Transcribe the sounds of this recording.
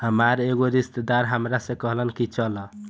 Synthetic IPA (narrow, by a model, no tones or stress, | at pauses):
həmaɾeɡoɾist̪d̪aɾɦəmɾasẽkəɦlənkit͡ʃələ